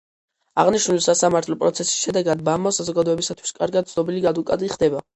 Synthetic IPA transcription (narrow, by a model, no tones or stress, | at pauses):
aʁniʃnulisasamaɾt̪ʰlɔpʼɾɔt̪sʰɛsi̥sʃɛd̪ɛɡad̪̚bamɔsazɔɡad̪ɔɛbisat̪ʰwi̥skʼa̰ɾɡad̪̚t̪sʰnɔbiliɡad̪ukʼa̰d̪iχd̪ɛba